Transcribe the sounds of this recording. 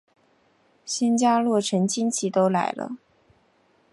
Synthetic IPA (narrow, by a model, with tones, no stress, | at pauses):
ɕɛ˥nt͡ɕja˥lwɔ˥˩ʈ͡ʂʰə˧˥nt͡ɕʰi˥nt͡ɕʰi˥˩t̪o˥ʊla˧˥ɪlə̰˧